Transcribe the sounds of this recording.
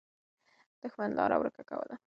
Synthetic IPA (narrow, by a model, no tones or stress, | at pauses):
d̪̥əxwand̪lɑɾa̰wɾəkakawəla